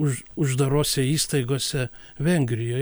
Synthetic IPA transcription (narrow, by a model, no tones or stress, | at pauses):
ʊʊʒd̪ɐɾoːsʲɛiːst̪ɐɪɡoːsʲɛ | ʋʲɛŋʲɡɾʲɪjoː